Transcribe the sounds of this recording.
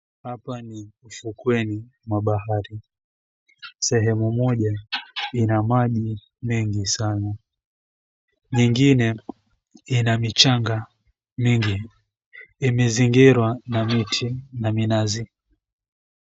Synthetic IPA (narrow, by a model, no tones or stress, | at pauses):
hapaniufukwɛni | mwaɓaɦaɾi | sɛɦɛmumɔʄainamaʄi | mɛŋɡisana | ɲiŋɡinɛ | inamit͡ʃaŋɡa | miŋɡiː | mɛziŋɡiɾwanamitʰinaminazi